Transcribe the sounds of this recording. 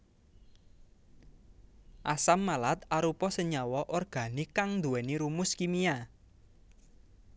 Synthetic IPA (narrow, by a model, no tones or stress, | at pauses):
ʔasamːalat̪aɾupɔsəɲawɔʔɔrɡ̥a̤nikaŋnd̪uwɛniɾumʊskimia